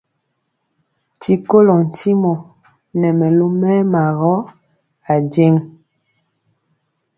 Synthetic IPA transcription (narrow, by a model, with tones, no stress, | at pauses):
ti˨ko˦lɔ˨n̩˨ti˦mɔ˨ | nɛ˨mɛ˨lo˦mɛ˦ma˨ɣɔ˦ | a˨djɛ˦ŋ